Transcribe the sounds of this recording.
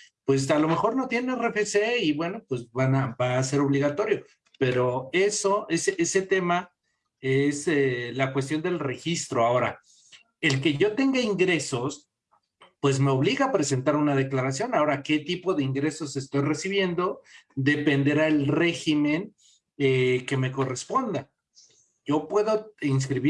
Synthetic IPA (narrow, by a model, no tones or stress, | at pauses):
pwe̞s̬alo̞me̞xo̞ɾno̞t̪jenenrefeseiβwe̞no̞pwe̞zβanabaːse̞ɾo̞βliɣat̪o̞ɾjo̞ | pe̞ɾo̞e̞soeseʔese̞t̪e̞ma | eselakwe̞s̬t̪jo̞nd̪e̞lre̞xist̪ɾo̞ao̞ɾa | e̞lke̞ʝo̞t̪e̞ŋɡaiŋɡɾe̞so̞s | pwe̞zme̞o̞βliɣaːpɾe̞se̞nt̪aɾunað̞e̞klaɾasjo̞nao̞ɾake̞t̪ipo̞ðe̞iŋɡɾe̞so̞se̞st̪o̞jre̞siβ̞je̞nd̪o̞d̪e̞pe̞nd̪eɾaelre̞xime̞n | eke̞me̞ko̞re̞spo̞nd̪a | ʝo̞pwe̞ðo̞ins̬kɾiβi